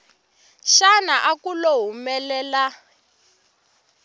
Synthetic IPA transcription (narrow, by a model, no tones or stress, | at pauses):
ʃanaʔakuloɦumɛlɛːla